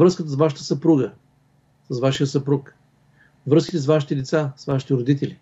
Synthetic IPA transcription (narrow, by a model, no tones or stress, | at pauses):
vɾəskət̪əsvaʃ̬ə̥t̪əsɐpɾuɡə | səsvaʃijəsɐpɾuk | vɾɤskʲi̥t̪ɛsvaʃit̪ɛd̪ɛt̪sasvaʃi̥t̪ɛɾod̪it̪ɛlʲi